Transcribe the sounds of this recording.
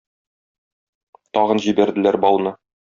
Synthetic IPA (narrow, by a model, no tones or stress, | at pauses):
t̪ɒʁɤnʑibæɾd̪ɘ̆læɾbɒlˠnɤ